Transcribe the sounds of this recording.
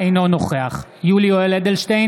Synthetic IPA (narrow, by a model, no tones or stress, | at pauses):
ejno̞noχeaχ | julioeled̪elʃtej